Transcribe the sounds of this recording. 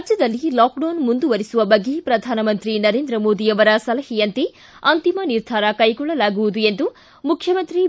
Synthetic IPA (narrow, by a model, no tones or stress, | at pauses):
d͡ʒɐd̪ɐlːilaːk̚ɖɐːnmund̪uʋɐɾisuʋɐbɐɡːepɾɐd̪ʱaːnɐmɐnt̪ɾinɐɾe̞ːnd̪ɾɐmoːd̪ijɐʋɐɾɐsɐlɐhijɐnt̪e | ɐnt̪imɐniɾd̪ʱaːɾɐkɐjɡɔɭːɐlaːɡuʋud̪ue̞nd̪u | mukʰjɐmɐnt̪ɾi